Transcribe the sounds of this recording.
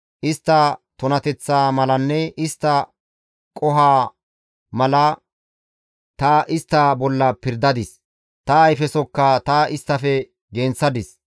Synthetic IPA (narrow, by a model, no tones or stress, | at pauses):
ʔɪst̪ːɐt̪ɔnɐt̪ɛt͡sːaːmɐlɐnːɛʔɪst̪ːɐ | kʼɔɦaː | mɐlɐ | t̪ɐʔɪst̪ːɐbɔlːɐpɪɾd̪ɐd̪ɪs | t̪ɐːjfɛsɔkːɐt̪ɐʔɪst̪ːɐfɛ | ɡeːnt͡sːɐd̪ɪs